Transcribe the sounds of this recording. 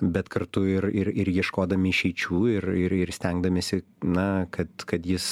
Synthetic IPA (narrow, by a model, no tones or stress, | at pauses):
bʲɛt̪kɐrt̪ʊɪɾɪɾɪɾjiɛʃkoːd̪ɐmʲɪɪʃʲɛɪt͡ʃʲuːɪɾɪɾɪɾsʲt̪ʲɛŋɡd̪ɐmʲesʲɪ | nɐkɐt̪kɐt̪jɪs